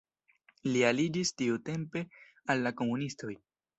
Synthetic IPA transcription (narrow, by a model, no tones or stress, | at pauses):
lialid͡ʒistiute̞mpe̞ | alːako̞munisto̞j